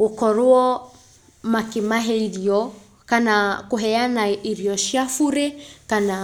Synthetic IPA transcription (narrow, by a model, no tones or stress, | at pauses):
ukɔɾuɔ | makimaɦɛiliɔ | kanakuɦɛanaiɾiɔʃiafuɾɛkana